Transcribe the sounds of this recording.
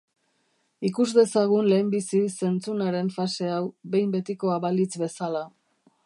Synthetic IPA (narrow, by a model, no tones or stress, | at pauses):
ikuzd̪e̞saɣ̞unle̞ːmbisise̞nt͡sunaɾe̞ɱfase̞awβe̞jmbe̞t̪iko̞aβalit͡sbe̞sala